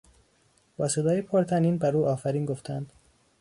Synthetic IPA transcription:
bɒːse̞d̪ɒːjepʰoɾt̪ʰæniːnbæɾuːɒːfæɾiːnɡoft̪ʰænd̪̥

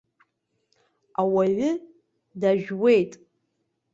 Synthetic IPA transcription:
awaɥʷʊ | daʒᶣwejtʼ

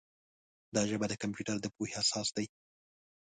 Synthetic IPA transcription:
d̪ɑʒəbad̪əkampjuʈaɾd̪əpoheasɑsd̪aj

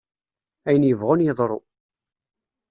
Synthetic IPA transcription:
æjənjəvʁʊnjeðˤɾˤo̰

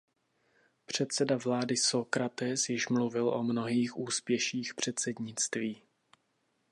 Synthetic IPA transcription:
pr̝̥ɛt̪sɛdavlaːdɪsokɾat̪ɛsjɪʃmluvɪlʔomno̞ɦiːxʔuːspjɛʃiːxpr̝̥ɛt̪sɛdɲɪt͡st̪viː

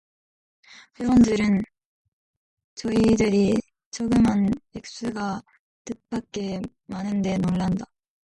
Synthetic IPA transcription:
ɸewʌndɯɾɯn | t͡ɕʌidɯɾi | t͡ɕʰʌɡɯmɦanek̚s͈ɯɡa | tɯt̚p͈ak͈e̞ | manɯnde̞noɭːanda

